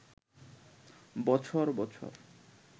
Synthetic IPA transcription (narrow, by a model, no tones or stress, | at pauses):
bɔt͡ɕʰoɾbɔt͡ɕʰo̰ɾ